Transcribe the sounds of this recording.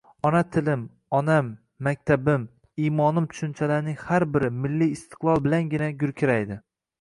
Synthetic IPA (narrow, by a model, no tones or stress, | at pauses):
ɒnat̪ʰɪlɪm | ɒnamː | ak̚ʲt̪ʰabɪm | imɒnɪmt̪ʰʊ̥ʃʊnt͡ʃʰalaɾnɪŋhaɾbɪɾɪmɪlːijːst̪ʰɨ̥qlˠɒlˠbɪlanɡʲɪnaɡʲʊɾkʲʰɪɾajd̪ɪ